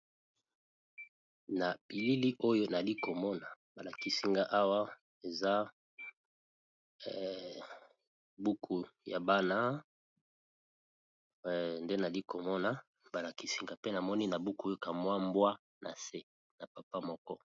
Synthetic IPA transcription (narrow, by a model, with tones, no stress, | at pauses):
na˨bi˨li˦li˦ʔo˦jo˦na˨li˦ko˨mɔ˦na˨ba˨la˨ki˦si˦ŋɡa˦ʔa˦wa˦ | e˨za˦ | bu˦kʰu˨ja̰˨ba˦na˦˨ | nde˦na˨li˦ko˨mɔ˦na˨ | ba˨la˨ki˦si˦ŋɡa˨pe˦na˨mɔ˦ni˦na˨bu˦ku˦o˦jo˦ka˨mwa˦mbwa˦ | nʔa̰˨se˦ | na˨pa˨pa˦mɔ˦kɔ˦